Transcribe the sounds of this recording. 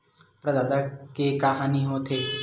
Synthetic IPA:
pɾɐd̪aːd̪akekaɦaniɦot̪ʰe

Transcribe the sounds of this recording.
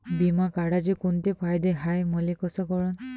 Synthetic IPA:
bimakaɽad͡ʒikunt̪epʰajd̪eɦajmɔlikɔsɔkɔɹɔn

